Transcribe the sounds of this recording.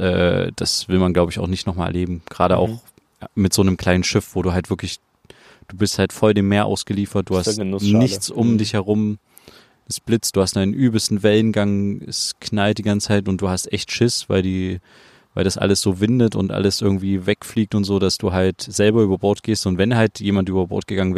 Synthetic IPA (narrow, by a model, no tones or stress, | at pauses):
ʔɛ̰ːd̥asv̥ɪlmanɡlaʊbəɪçaʊxnɪçtnɔχma̰ːɐ̰leːbm̩ɡ̥ʁaːɾəʔa̰ʊx | mɪtz̥oːnəmkʰl̥aɪnənʃɪfv̥oːduːɦaltv̥ɪɐklɪç | d̥uːbɪsthaltfɔldeːmːeːɐʔa̰ʊsɡ̥əliːfɐt̚d̥uːhasnɪçt͡sʊmdɪçhɛʁʊm | ɪsb̥lɪt͡sd̥uːhast̚d̥aɪnənʔyːbl̩stn̩vɛlənɡaŋɪskʰnalt̚d̥iːɡant͡saɪtʊntd̥uːhastʔɛçtʃɪsv̥aɪldiː | vaɪldasʔa̰ləsz̥oːvɪndətʊ̰ntʔa̰ləsʔɪɐɡŋ̩tv̥iːvɛkfliːk̚tʊntz̥oːd̥asd̥uːɦaltz̥ɛlbɐʔyːbɐbɔɐt̚ɡ̥eːstʊntv̥ɛnhaltjeːmantʔyːbɐbɔ̰ɐt̚ɡ̥əɡaŋənvɛː